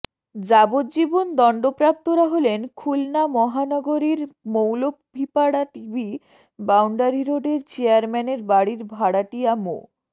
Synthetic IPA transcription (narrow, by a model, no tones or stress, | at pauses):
d͡ʑabod̪d͡ʑibond̪ɔɳɖopɾap̚t̪oɾaɦolenkʰulnamɔɦanɔɡoɾiɾmowlopbʱipaɽaʈibʱi | bawɳɖaɾiɾoɖeɾt͡ɕeaɾmɛneɾbaɽiɾbʱaɽaʈiamo̰